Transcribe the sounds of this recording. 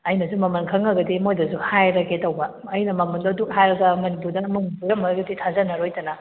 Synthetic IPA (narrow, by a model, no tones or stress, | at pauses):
ɐjnɐzumɐmɐnkʰɐŋɐɡɐdimojdɐzuhajɾɐkʰetɐwbɐːjnɐmɐmundɔduk̚hajɾɐɡɐmɐnipuɾdɐmɐŋipuɾɐmɐɡuditʰazɐnɐɾojtɐnɐ